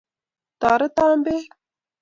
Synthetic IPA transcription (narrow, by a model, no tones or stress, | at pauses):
t̪ɑːɾət̪ɑːmbe